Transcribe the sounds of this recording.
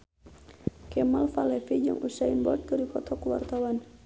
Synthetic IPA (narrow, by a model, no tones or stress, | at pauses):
kɛmalfalɛfid͡ʒa̰ŋʔusainbɔ̰t̪̚kərikɔt̪ɔkəwa̰rt̪awan